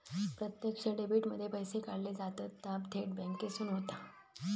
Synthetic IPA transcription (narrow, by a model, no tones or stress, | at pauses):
pɾət̪jəkt͡ɕəɖebiʈməd̪ʱːjepəjsekaɽled͡zat̪ət̪ːapt̪ʰeʈ̚bɛŋkesuːnɦot̪a